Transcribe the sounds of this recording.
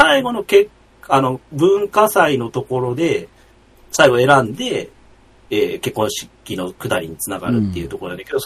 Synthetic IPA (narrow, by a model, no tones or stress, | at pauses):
saiɡo̞no̞kek | ano̞bɯ̟̃ŋkasaino̞t̪o̞ko̞ɾo̞d̪e̞ | saiɡo̞e̞ɾãnd̪e̞ː | ke̞kːõ̞ɰ̃ɕi̥kʲino̞kɯ̟t̪aɾʲiɲ̟it͡sɨnaɡa̰ɾɯ̟t̪ːeiɯ̟t̪okooanjaked̪o